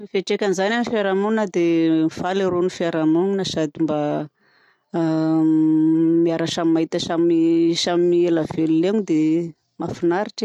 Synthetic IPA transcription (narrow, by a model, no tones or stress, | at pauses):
mifeʈ͡ʂekʲanizananifaɾamonnad̪emifaleɾonifaɾamoninəsad̪imba | miaɾaʃamimaɦit̪əsamisamimielav̥eluleɲid̪e | mafinaɾiʈ͡ʂi̥